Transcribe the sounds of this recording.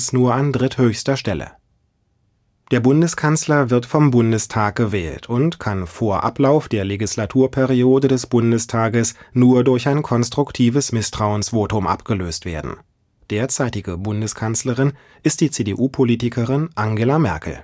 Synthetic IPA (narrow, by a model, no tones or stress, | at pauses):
snuːɐandʁɪthøːçstɐʃtɛlə̰ | d̥eːɐbʊndəskʰanslɐvɪɐtfɔmbʊndəstʰaːk̚ɡ̥əvɛːltʰʊntkʰanfoːɐʔa̰plaʊfd̥eːɐleɡislatʰuːɐpʰɛʁioːdədɛsb̥ʊndəstʰaːɡəsnuːɐdʊɐçaɪnkʰɔnstʁ̥ʊktʰiːvəsmɪstʁ̥aʊənsv̥oːtʊmʔa̰pɡ̥əløːstv̥ḛːɐdn̩ | d̥eːɐt͡saɪtɪɡəbʊndəskʰansləʁɪn | ʔɪst̚d̥iːt͡seːdeʔuːpʰoliːtɪkʰəʁɪnʔaŋɡelamɛɐkl̩